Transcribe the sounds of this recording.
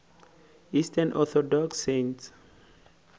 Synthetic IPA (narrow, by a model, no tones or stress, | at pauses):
istʰənʔɔθɔdɔksẽnts